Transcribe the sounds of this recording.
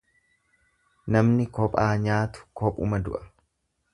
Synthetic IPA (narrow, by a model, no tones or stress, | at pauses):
nɐmnɪkɔpʼaːɲaːt̪ʊ̥kɔpʼʊ̰mɐd̪ʊ̰ʔɐ̥